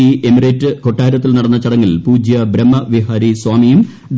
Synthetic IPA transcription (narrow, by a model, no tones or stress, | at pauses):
iʔemiretːɨko̞ʈːaːɾɐt̪ːilnɐɽɐnːɐt͡ɕɐɽɐŋːilpuːd͡ʑjɐbɾɐmːɐʋiɦaːɾiswaːmijum | d̪